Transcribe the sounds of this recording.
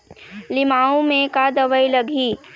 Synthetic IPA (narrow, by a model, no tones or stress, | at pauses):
lɪmaːõmẽkad̪ɐʋəilɐɡʱiː